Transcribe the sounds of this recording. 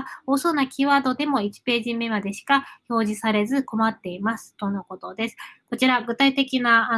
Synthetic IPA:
oːso̞nakʲiːβaːd̪o̞d̪e̞mo̞it͡ɕi̥pe̞ːʑime̞mad̪e̞ɕi̥kaço̞ːʑisaɾe̞zɨko̞mat̪ːe̞imasɨ̥t̪o̞noko̞t̪o̞d̪e̞sɨ̥ko̞t͡ɕiɾaɡɯ̟t̪ait̪e̞kʲina

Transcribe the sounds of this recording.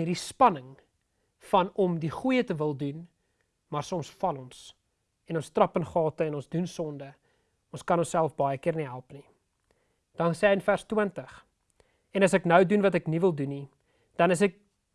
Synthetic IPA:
irdispɐnəŋ | fɐnɔmdiχujətəvəlˠdun | mɑrsɔmsfɐlɔns | ɛnɔnstrɐpənχɑːtəɛnɔnsdunsɔndə | ɔnskɐnɔnsælˠfbɐjəkiərniɦælˠpni | d̥ɐnsɛːənfærstwəntəχ | ɛnɐsɛknəwdunvɐtɛknivəlˠduni | d̥ɐnəs̬ɛk̚

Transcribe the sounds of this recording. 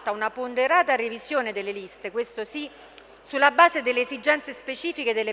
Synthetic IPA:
t̪ːaunapond̪eɾaːt̪arivizjoːned̪elːelist̪ekwest̪osi | sulːabaːzed̪elːeːzid͡ʒɛnt̪sespet͡ʃiːfiked̪elːe

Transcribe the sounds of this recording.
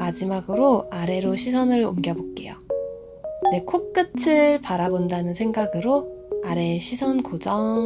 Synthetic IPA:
mad͡ʑimaɡɯɾoaɾe̞ɾoɕʰisʰʌnɯɾo̰mɡjʌbok͈e̞̰jo̰ | de̞kʰok̚k͈ɯtʰɯpaɾabondanɯnsʰe̞ŋɡaɡɯɾoaɾe̞ɕʰisʰʌnkod͡ʑʌ

